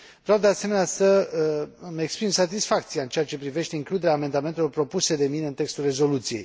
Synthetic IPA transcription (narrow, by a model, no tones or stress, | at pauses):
vɾeawd̪ease̞me̞neasə | me̞kspɾimsat̪̬isfak̚t̪sijaɨnt͡ʃeat͡ʃe̞pɾive̞ʃt̪e̞iŋklud̪e̞ɾeaːme̞nd̪ame̞nt̪elo̞rpɾo̞puse̞d̪e̞mineɨnt̪e̞kst̪ulre̞zo̞lut̪sije̞̰j